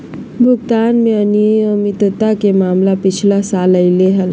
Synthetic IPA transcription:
bʱuɡt̪anmeəniəmit̪ət̪akemamlapit͡ʃʰilasaləɪleɦəl

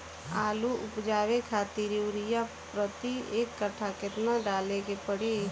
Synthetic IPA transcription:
aːluʔʊpd͡ʒaːwekʰaːt̪iɾiwɾɪja | pɾət̪ieːkːəʈʰakɪt̪naɖaːlekepəɽi

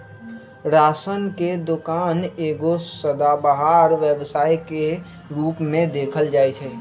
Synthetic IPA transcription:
ɾaːsənked̪ʊkaːneːɡosəd̪abəɦaːɾʋəʋsaːjke | ɾuːpmẽd̪eːkʰəld͡ʒaːet͡ʃʰɛː

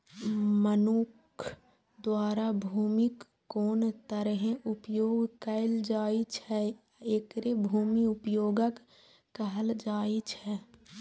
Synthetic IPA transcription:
mənukʰ | d̪waːɾabʱuːmikː | oːnt̪əɾəɦẽʔʊpjoːɡkəɪld͡ʒaːit͡ʃʰɛ | ekɾebʱuːmiʊpjoːɡəkː | əɦəld͡ʒaːit͡ʃʰɛː

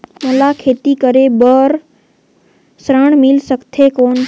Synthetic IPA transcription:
məlakʰeːt̪ikəɾebəɾ | sɾəɳ̃mɪlsəkt̪ʰekoːn

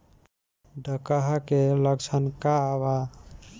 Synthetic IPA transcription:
ɖʱəkaɦakeləkt͡ʃʰənkaβa

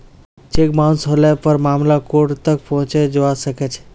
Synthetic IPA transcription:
t͡ʃekmaũsɦolɛpəɾmamlakoʈt̪ək̚pɔɦũt͡ʃɛd͡ʒoasəkɛt͡ʃʰɛ̥

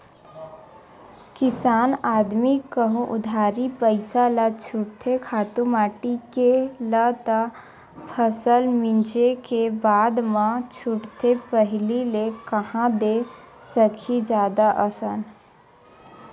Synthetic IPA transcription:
kɪsaːnaːd̪mikəɦũʔʊd̪ʱaːɾipəɪsalat͡ʃʰʊʈt̪ʰekʰaːt̪ũmaːʈikelət̪a | pʰəsəlmɪ̃nt͡ʃekebaːd̪mãt͡ʃʰʊʈt̪ʰepəɦlilekəhãd̪esəkʰid͡ʒjaːd̪aʔəsən

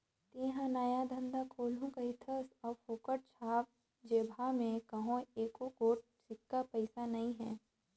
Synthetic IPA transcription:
t̪ĩːɦãnajad̪ʱə̃nd̪akʰoːlũkaɦɪt̪ʰəsɔːfoːkəʈ̚t͡ʃʰaːb̚ | d͡ʒeːbʱamẽkɐɦõeːkokoːʈ̚ | sɪkːapɐɪsanɐĩɦɛ̰̃ː

